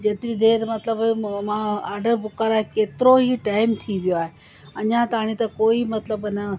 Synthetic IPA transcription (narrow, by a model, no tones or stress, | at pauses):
d͡ʑeːt̪ɾid̪eːɾmɐt̪ləbmãaːɾɖəɾbʊkaɾaːɦekeːt̪ɪɾoɦiʈaːɪmt̪ʰiʋijoaːɦe | ɐɲãt̪aːɽ̃it̪ɐkoːimɐt̪ləbnɐ